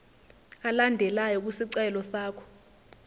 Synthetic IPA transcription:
alandʱɛlajɔk̬usiǀɛlɔsaːkʰɔ̥

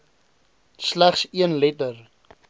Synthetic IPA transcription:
slæχsiənlɛtər

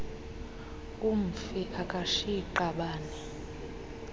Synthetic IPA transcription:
um̩fiʔakʼaʃiǃaɓaːnɛ

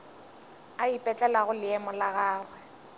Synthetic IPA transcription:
aipʼɛt͡ɬʼɛlaɣʊlɪɛmɔlaɣaːɣwɛ

